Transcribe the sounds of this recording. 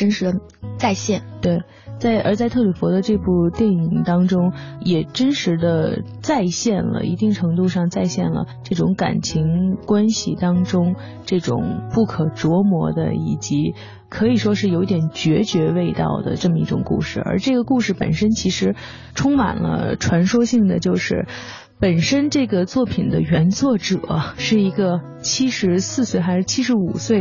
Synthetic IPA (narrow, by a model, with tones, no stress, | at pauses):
ʈ͡ʂə˥nʂɻ̩˧˥d̪ə˧ | t͡sa˥˧ɪɕjɛ˥˩nt̪we˥˩ɪ | t͡sa˥˧ɪʔə̰˞˧˥t͡sa˥˧ɪt̪ʰɤ˥˩ly˨˩fwɔ˧˥d̪ə˧ʈ͡ʂɤ˥˧pu˥˧t̪jɛ˥˩ni˨˩ŋt̪ɑ˥ŋʈ͡ʂʊ˥ŋjɛ˨˩ʈ͡ʂə˥nʂɻ̩˧˥d̪ə˧ | t͡sa˥˧ɪɕjɛ˥˩nlə̰˩ʔi˧˥t̪i˥˩ŋʈ͡ʂʰɤ˧˥ŋt̪u˥˧ʂɑ˥˧ŋt͡sa˥˧ɪɕjɛ˥˩nlə̰˩ʈ͡ʂɤ˥˩ʈ͡ʂʊ˧˥ŋka̰˨˩nt͡ɕʰi˧˥ŋkwa˥nɕi˨t̪ɑ˥ŋʈ͡ʂʊ˥ŋ | ʈ͡ʂɤ˥˩ʈ͡ʂʊ̰˨˩ŋpu˥˩kʰɤ˨˩ʈ͡ʂwɔ˧˥mwɔ˧˥d̪ə̰˧i˨˩t͡ɕi˧˥ | kʰɤ˧˥i˨˩ʂwɔ˥ʂɻ̩˥˩jo˧˥ʊt̪jɛ˨˩nt͡ɕɥɛ˧˥t͡ɕɥɛ˧˥we˥˧ɪt̪ɑ̰˥˩ʊd̪ə̰˩ʈ͡ʂɤ˥˩mə˩ḭ˥˩ʈ͡ʂʊ˨˩ŋkṵ˥˧ʂɻ̩˥˩ə̰˞˧˥ʈ͡ʂɤ˥˩ɡə˩ku˥˧ʂɻ̩˥˩pə̰˨˩nʂə˥nt͡ɕʰi˧˥ʂɻ̩˧˥ | ʈ͡ʂʰʊ˥ŋma̰˨˩nlə̰˦ʈ͡ʂʰwa˧˥nʂwɔ˥ɕi˥˩ŋd̪ə˩t͡ɕjo˥˧ʊʂɻ̩˥˩ | pə˨˩nʂə˥nʈ͡ʂɤ˥˩ɡə˩t͡swɔ˥˩pʰi˨˩nd̪ə˦ɥɛ˧˥nt͡swɔ˥˩ʈ͡ʂɤ̰˨˩˦ʂɻ̩˥˩i˧˥ɡə˧ | t͡ɕʰi˥ʂɻ̩˧˥sɹ̩˥˧swe˥˩ɪxa˧˥ʂɻ̩˥˩t͡ɕʰi˥ʂ̬ɻ̩˧˥u˨˩swe˥˩ɪ